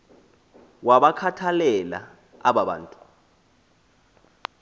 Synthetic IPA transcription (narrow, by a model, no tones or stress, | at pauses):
waɓakʰatʰalɛla̰ | aɓaɓa̰ːntʼu̥